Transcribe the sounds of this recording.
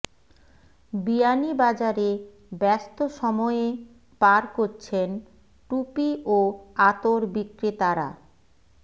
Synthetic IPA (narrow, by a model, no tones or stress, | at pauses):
bianibad͡ʑaɾe | bɛst̪oʃɔmɔee | paɾkoɾt͡ɕʰen | ʈupiʔoat̪oɾbikɾit̪aɾa̰